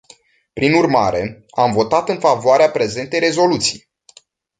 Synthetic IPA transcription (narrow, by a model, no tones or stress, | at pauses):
pɾinurmaɾe̞amvo̞t̪at̪ɨnfavoaɾeapɾe̞ze̞nt̪e̞jɾe̞zo̞lut̪sij